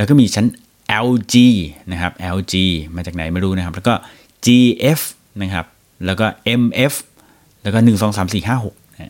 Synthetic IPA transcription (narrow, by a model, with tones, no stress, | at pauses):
lɛ˦˥wkɔː˥˩miː˧t͡ɕʰa˦˥n | ʔɛ˧wt͡ɕiː˧na˦˥kʰa˦˥p̚ʔɛː˧wt͡ɕiː˧maː˧t͡ɕaː˨˩k̚na˩˦jmaː˥˩ɾuː˦˥na˦˥kʰa˦˥plːkɔː˥˩ | t͡ɕiː˧ʔe˦˥f | na˦˥kʰa˦˥p̚ | lɛː˦˥wkɔː˥˩ʔe˧mʔe˦˥f | lɛː˦˥wkɔː˥˩nɯ˨˩ŋsɔː˩˦ŋsaː˩˦msiː˨˩ɦaː˥˩ɦo˨˩k̚n˦˥